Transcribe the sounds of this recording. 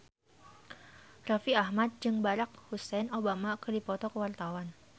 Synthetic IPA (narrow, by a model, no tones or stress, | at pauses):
rafiahmat̪̚d͡ʒɨŋbaɾak̚husɛnobamakərdipɔt̪ɔkəwart̪awan